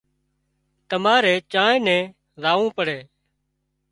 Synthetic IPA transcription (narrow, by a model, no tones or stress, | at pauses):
t̪əmaːɾeːt͡ʃãːnɛ̃ː | ɾaːʋũːpəɽeː